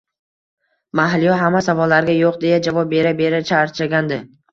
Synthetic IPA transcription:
maɦlɪjɒɦamːasavɒlːaɾɡʲajoqd̪e̞jad͡ʒavɒp̚be̞ɾabe̞ɾat͡ʃʰaɾt͡ʃʰaɡʲand̪ɪ

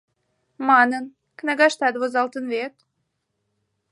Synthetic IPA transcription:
mɑnən | kneɡɑʃt̪ɑd̪βozɑlt̪ənvet̪

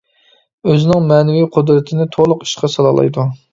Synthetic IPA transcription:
øzɪnɪŋmɛːnɪwiqʰʊd̪ɾɪt̪ʰɪnɪt̪ʰolˠʊqi̥ʃqʰɑsɑlˠɑ̰lˠɑ̰jd̪u

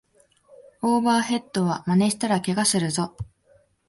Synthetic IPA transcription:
oːbaːɦe̞t̪ːo̞β̞amane̞ɕi̥t̪aɾakʲe̞ɡasɨɾɯ̟zo̞

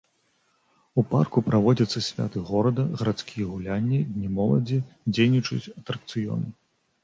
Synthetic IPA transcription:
upa̰rkupɾavɔd͡zʲɐt̪sːɐsʲvʲa̰t̪ɨɣɔɾɐd̪ɐɣɐɾat̪skʲʰijɛɣulʲanʲːid̪ʲnʲimɔlˠɐ̰d͡zʲid͡zʲejnʲit͡ʂut͡sʲɐt̪ɾɐk̚t̪sɨjɔ̰nɨ

